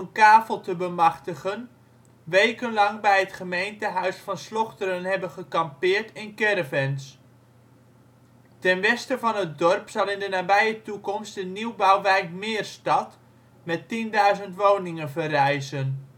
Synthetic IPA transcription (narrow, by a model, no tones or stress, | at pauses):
nkaːfəlˠtəbəmɑχtəχən | ʋejkənlɑŋbɛjɦətχəmejntəɦœɥsfɑnslɔχtəɾənɦɛbənχəkɑmpɪːɹtɪnkɛrəvɛns | tɛnʋɛstəvɑnɦət̚dɔrpsɑlˠɪndənaːbɛjətukɔmstəniwbawʋɛjkmɪːrstɑt | mɛtindœɥzəntʋownɪŋənvərɛjzən